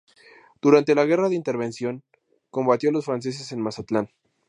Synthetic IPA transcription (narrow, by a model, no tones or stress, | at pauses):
d̪̥uɾant̪e̞laɣe̞raðeint̪e̞ɾβe̞nsjo̞ŋ | ko̞mbat̪jo̞lo̞sfɾans̬e̞s̬e̞se̞nmasat̪lan